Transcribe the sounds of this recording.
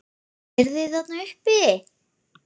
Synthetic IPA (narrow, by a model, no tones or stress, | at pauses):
ɛɾðɪθat̪naʏhpɪ